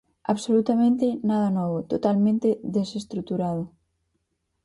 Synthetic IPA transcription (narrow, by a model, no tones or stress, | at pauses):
a̰βsolut̪amẽnt̪enaðanɔβ̞ot̪ot̪almẽnt̪eðesest̪ɾut̪uɾað̞o